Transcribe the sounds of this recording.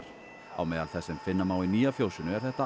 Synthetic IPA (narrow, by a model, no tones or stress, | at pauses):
a̰wmɛðalθɛsɪnfɪnːamawiniːafjowsʏnʏɛɾ̥θɛht̪a